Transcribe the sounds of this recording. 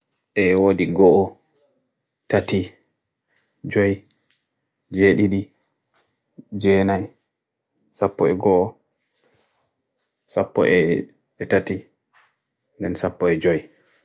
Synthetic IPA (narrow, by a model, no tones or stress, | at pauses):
ʔɛwodiɡɔʔɔ | tati | d͡ʒɔj | d͡ʒeɗiɗi | d͡ʒɛːnaj | sapːɔɛɡɔʔɔ | sapːɔ̰ʔɛ | ɛtati | ndɛnsapːɔɛd͡ʒɔj